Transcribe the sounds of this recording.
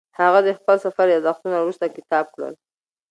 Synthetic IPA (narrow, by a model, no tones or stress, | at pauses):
haɣad̪əxpəlsafaɾjɑzaxt̪unawɾust̪akɪt̪ɑb̚kɽə̰l